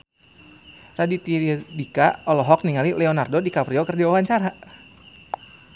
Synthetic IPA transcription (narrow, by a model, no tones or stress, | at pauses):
radit̪idikaʔɔlɔɦɔk̚niŋalilɛonardodikapɾiokərdiwawaɲt͡ʃaɾa